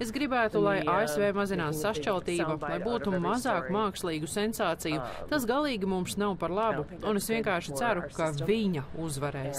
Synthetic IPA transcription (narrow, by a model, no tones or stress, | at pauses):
esɡɾibæːt̪ulˠajʔaːesveːmazinaːtssaʃt͡ʃalˠt̪iːbɐlˠajbuːt̪umazɑːkumaːkslˠiːɡusensaːt̪sijut̪as̬ɡalˠiːɡimumsnawpaɾlˠabuunesviɛŋkaːɾʃi̥t̪sæɾukaviɲɐuzvaɾɛːs